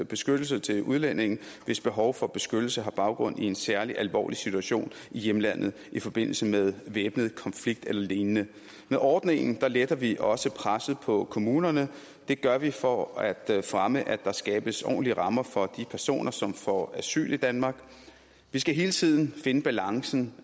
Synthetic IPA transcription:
b̥e̝sɡ̥ød̥l̩s̬ət͡sʰe̝luðˠlen̰e̝ŋn̩ʋe̝sb̥e̝ɦɒ̽ʊfɒ̽b̥e̝sɡ̥ød̥l̩səɦɑ̈b̥ɑ̈ʊɡ̥ʁɔ̽n̰ie̝nsæɐliʔælʋɒ̰ːlisit͡sʰuæɕo̝̰ːn | ijemlæn̰ð̞̩ˠʔifɒ̽b̥e̝n̰l̩səmeðˠʋeːb̥nəð̞̩ˠkʰɒ̽nfliɡ̥̚d̥elɐleːnənə | meðˠʔɒːd̥ne̝ŋn̩d̥ɑ̈led̥ɐʋiʔɒ̽səpʰʁasð̩ˠpʰɒ̽kʰo̝muːnɐnə | d̥e̝ɡ̥ɶɐʋifɒæd̥fʁaməʔæd̥ɑ̈sɡ̥ɛ̰ːb̥əsɒ̰ːn̩liəʁɑ̈mɐfɒ̽d̥ipʰæɐso̝̰ːnʔɐsɒ̽mfɒæsy̰ːlid̥ænmɑ̈ːɡ̥ | ʋisɡ̥æɦe̝ːlət͡sʰið̞̰ˠn̩fe̝nəb̥ælɑ̈ŋsn̩

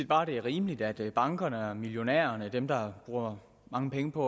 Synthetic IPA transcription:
ed̥b̥ɑ̈ːd̥e̝æɐʁiːməlid̥æd̥b̥ɑ̈ŋɡ̥ɐnəɒmiljo̝nɛ̰ːɐnəd̥emd̥ɑ̈b̥ʁuːɐ | mɑ̈ŋəpʰeŋəpʰɒ̽

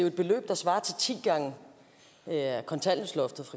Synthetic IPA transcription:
ejʊe̝d̥̚b̥e̝lø̰ːb̥d̥ɑ̈sʋɑ̈ːt͡sʰe̝lt͡sʰḭːɡ̥ɑ̈ŋ | kʰɒ̽nt͡sʰæl̰n̩slɒ̽fd̥ð̩ˠfʁɑ̈

